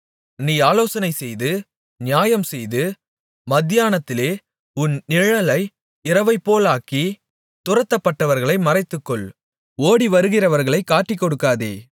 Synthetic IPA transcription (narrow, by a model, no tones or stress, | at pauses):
niːaːloːsɐnɐɪsɛjðɯ | nɪjaːjɐmsɛjðɯ | mɐd̪ɪjaːnɐt̪ːɪleː | ʊnnɪɻɐlɐɪ | ɪɾɐʋɐɪpːoːlaːki | t̪ʊɾɐt̪ːɐpːɐʈːɐʋɐɾɣɐɭɐɪmɐrɐɪt̪ːɯkːɔɭ | oːɽiʋɐɾɯɣɪrɐʋɐɾɣɐɭɐɪkːaːʈːikːɔɽɯkːaːðḛː